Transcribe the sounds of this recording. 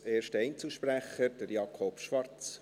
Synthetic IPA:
eːrʃtəɛɪnt͡səʃpræχəɾd̥əɾjɑkʰopʃʋɑrt͡s

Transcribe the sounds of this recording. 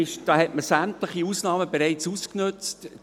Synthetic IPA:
ɪʃd̥ɑːhɛtməsæmtləχiusnɑːməbɛɾɛɪt͡susknɵt͡st

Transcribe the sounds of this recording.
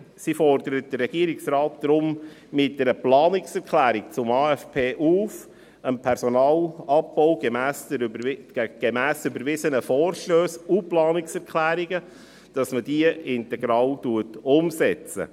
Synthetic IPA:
sifɔrdəɾət̚d̥ərɾɛɡ̥iəɾɪksrɑːt̚d̥ɾʊmmɪtdɛɾəplɑːnɪksɛɾkʰlæːɾik̚t͡sʊmɑːɛfpʰeːʔuːf | ənpʰɛɾsɔnɑːlɑpbɔʊɡemæːsɛ̥ | ɡ̥emæːsybəɾvɪzənəfɔːɾʃløːsuplɑːnɪksɛɾkʰlæːɾiɡə | d̥ɑsməd̥iəɪntɛɡɾɑːltuətʊmsɛt͡sə̰

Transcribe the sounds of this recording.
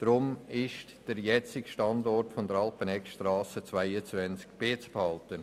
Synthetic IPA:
d̥ɾʊmɪʃtd̥əɾjɛt͡sɪɡʃtɑndɔrtfɔnd̪əɾɑlpənɛkʃtrɑːsət͡svaɪət͡svɛnt͡skb̥eːt͡sphɑltən

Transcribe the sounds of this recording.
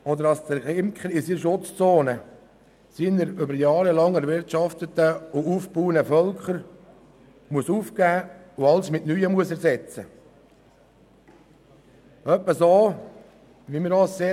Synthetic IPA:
ɔd̪əɾɑsd̪əɾɪmkχəɾɪsiʃʊt͡st͡soːnə | siːnəɾʏbəɾjɑːɾəlɑŋɛɾʋɪɾtʃɑft̪ət̪əʊuːfpuːənəfœlkχəɾ | muəsuːfkæː | ʊɑlsmɪtnyːəmuəsɛɾsɛt͡sə | œpːəsoː | ʋimiːɾɑːsseː

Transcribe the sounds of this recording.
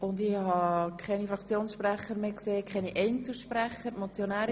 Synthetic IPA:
ʊndɪhɑkʰχɛnifɾɑkt͡sjoːnsʃpræχəɾmeːkseːkʰɛniʔɛɪnt͡suʃpræχəɾmɔt͡sjonæːɾ

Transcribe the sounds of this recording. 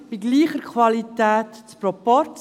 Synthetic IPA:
b̥iɡliːχəɾkʰʋɑlit̪ɛːt̪t͡spɾɔpɔɾt͡s

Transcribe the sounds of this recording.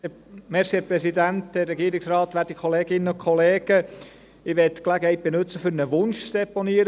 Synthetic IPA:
mɛɾsiɛpɾɛsid̪æntd̥ɛrːɛɡiəɾɪksɾɑːt̪ʋæːtikʰχoɔleːɡɪnːənʊkʰɔleːɡ̥ə | ɪʋɛtːklæɡəhɛɪjt̚b̥enʉt͡səfʏɾnəʋʊnʃt͡sd̥ɛponiːəɾ

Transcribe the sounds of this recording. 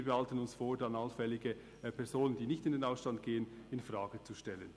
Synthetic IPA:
bɛhaltən̩ʊnsfoːɐdanalfɛlɪɡə | pʰɛɐzoːnənd̥iːnɪçtɪndeːnaʊsʃtand̚ɡ̥eːənɪnfʁaːɡət͡suʃtɛlən

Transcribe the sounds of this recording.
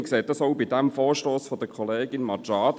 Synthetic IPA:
kseːt̚dɑsoʊbidɛmfoːɹʃtoːsfɔd̥əkʰɔleːɡɪnmɑt͡ʃɑːd

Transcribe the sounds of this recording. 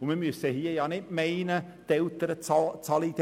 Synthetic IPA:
ʊmiːmyəsəhiːəjɑːnɪtmɛɪnət̪ɛlt̪əɾət͡st͡sɑlit̪

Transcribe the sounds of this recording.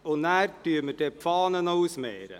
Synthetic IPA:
ʊnæːɾtyːəmədepfɑːnənowsmeːɾə̰

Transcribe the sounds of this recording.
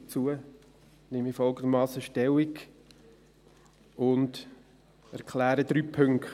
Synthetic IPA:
t͡suə | nɪmifɔlˠɡənd̪əmɑːsəʃtɛlik | ʊnd | æɾkʰlæːɾəd̥̪ɾyːpʰɵŋk

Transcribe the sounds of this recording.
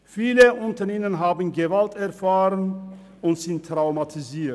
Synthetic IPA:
fiːləʔʊntɐɪnənɦaːbən̩ɡəvaltɛɐfaːʁən | ʊntz̥ɪntːʁ̥aʊmatʰiziːɐt

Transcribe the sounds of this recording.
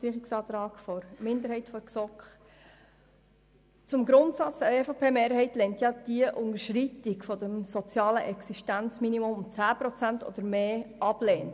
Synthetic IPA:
siχiksɑːt̪ɾɑːɡfɔɾmɪnd̪əɾhɛɪtfɔɾksɔkχ | t͡sʊmɡɾʊnt̪sɑt͡səefopʰeːmeːɾhɛɪtlɛntjɑd̪̥iəʔʊnəɾʃɾitikfɔd̥̪ɛmsɔt͡sjɑːləʔɛksiʃtænt͡sminimʊmʊmt͡sæːpɾɔt͡sæntɔ̰d̥̪əɾmeːʔɑb̥leːnə

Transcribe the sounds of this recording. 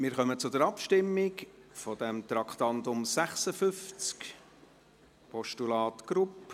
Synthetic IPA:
mɪɾχœmət͡sʊd̪ɛɾɑpʃtɪmːɪkfɔd̪ɛmt̪ɾɑkχt̪ɑnt̪ʊmsæχsəfʏft͡sk | pʰɔʃtulɑːt̪ɡ̥ɾup

